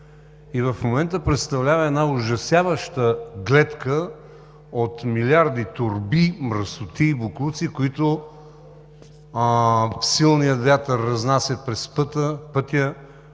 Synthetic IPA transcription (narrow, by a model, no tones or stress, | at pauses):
ivɐfmomɛnt̪əpɾɛt̪st̪ɐvlʲavɐɛd̪naʊʒɐsjavəʃt̪əɡlɛt̪kə | ot̪milʲaɾd̪it̪ʊɾbimɾəsʊt̪iːboklˠut̪sikʊit̪ʊ | fsilˠnijəvʲat̪əɾːɐznasʲjət̪̚pɾɛspɤt̪əpɤt̪jə